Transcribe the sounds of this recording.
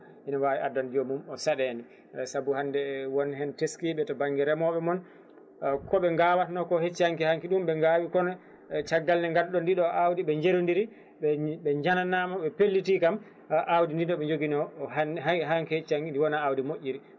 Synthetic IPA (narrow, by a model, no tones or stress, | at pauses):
hinawaːwiʔadand͡ʒomumɔsaɗɛnɛ | sabuhandɛwɔnhɛnteskiɓɛtɔbaŋɡɛɾɛmɔɓɛmɔn | kɔɓɛŋɡawatnɔkɔhet͡ʃːihaŋkihaŋkiɗumɓɛŋɡawikɔnɔ | t͡ʃaɡːalnɛŋɡalɗɔndiɗɔʔawdiɓɛɲd͡ʒeɾondiɾi | ɓɛɓɛd͡ʒananamaɓɛpelːitikam | ʔawdindinɔɓɛɲd͡ʒoɡinɔ | ɦaŋkihet͡ʃːihaŋkindiwɔnaːwdimoʔʲːiɾi